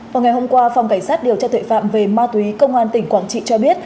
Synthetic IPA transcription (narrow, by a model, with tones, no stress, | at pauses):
vaː˨˩wŋa˩jho˧mkwaː˧fa˨˩ŋ͡mka˧˩ŋ̟saː˦˥t̚ɗi˨˩əwt͡ɕɔ˧t̪ʰə̰˧˨fa̰ː˧˨mve˨˩maː˧t̪wi˨˦kə˧wŋ͡mʔaː˧nt̪ï˧˩ŋ̟kwaː˧˩ŋt͡ɕḭ˧˨t͡ɕɔ˧ɓi˦˥ət̚